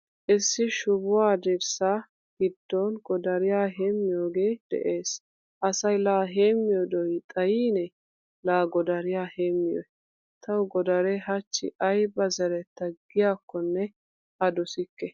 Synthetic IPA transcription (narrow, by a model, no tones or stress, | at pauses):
ʔɪsːɪʃʊbʊwaːd̪ɛɾsa | ɡ̥ɪd̪ːonɡɔd̪ɐɾɪjaːɦeːmːɪjoːɡeːd̪̥ɛ̰ʔe̞ːs | ʔɐsɐjlaːɦeːmːɪjɔd̪ɔjt̪ʼɐjiːnɛ | laːɡɔd̪ɐɾɪjaːheːmːɪjɔ̰j | t̪ʰɐwɡɔd̪ɐɾɛɦɐt͡ʃːɪ̰ʔɐjbɐzɐɾɛt̪ːɐɡːɪjaːkːɔnːɛ | ʔɐd̪ɔsɪkːɛ